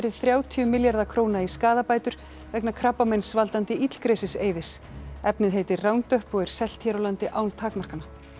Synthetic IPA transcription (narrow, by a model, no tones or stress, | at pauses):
ɛɾɪðθɾjaːwt̪ʰiʏmɪljaɾðakʰɾoːwnaiskaːðapaːjt̪ʏɾ̥ | vɛknakʰɾapːamejnsvalt̪ant̪ɪʔit̪l̥kɾejsɪseːjvɪ̥s | ɛpnɪðɦejt̪ɪrraːwnt̪œhpɔɣɛɾ̥sɛl̥t̪hɛɾowlant̪ɪʔaːwnt̪ʰaːkmar̥kana